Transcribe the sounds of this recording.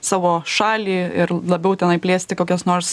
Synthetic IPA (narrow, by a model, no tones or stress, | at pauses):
sɑːʋoːʃɑːlʲiːɪɾlˠɐbʲɛʊt̪ʲɛnɐɪpʲlʲeːsʲt̪ʲɪkoːkʲosnoːɾs